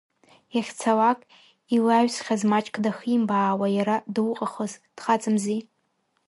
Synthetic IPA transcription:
jaχʲt͡sʰalakʼ | ilaɥᶣsχʲazmat͡ʃʼkʰʼdaximbaːwajaɾadɨwqʼaχozd̥χat͡sʼɨmzi

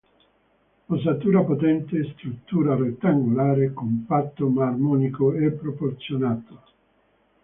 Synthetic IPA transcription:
osat̪uːɾapot̪ɛnt̪est̪ɾut̪ːuːɾaret̪ːaŋɡolaːɾekompat̪ːomarmɔːnikoɛpːɾoport̪sjonaːt̪o

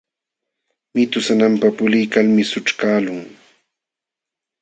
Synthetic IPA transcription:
mɪt̪ʊsanampapʊlɪjkalmɪsʊʈ͡ʂkaːlʊŋ

